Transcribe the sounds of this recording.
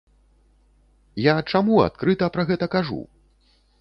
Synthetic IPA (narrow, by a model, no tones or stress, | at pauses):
jat͡ʂamua̰t̪̚kɾɨt̪ɐpɾɐɣɛt̪ɐkaʐṵ